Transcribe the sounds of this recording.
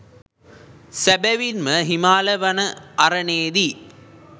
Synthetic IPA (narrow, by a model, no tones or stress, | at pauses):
sɐbɐʋinmɐɦimaːlɐʋɐnɐɐɾɐneːði